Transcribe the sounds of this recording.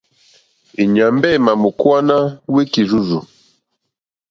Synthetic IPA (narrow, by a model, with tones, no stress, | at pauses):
i˨ɲa˨mbɛ˦˨ma˨mu˨kwa˦na˦we˦ki˨ɾu˦zu˨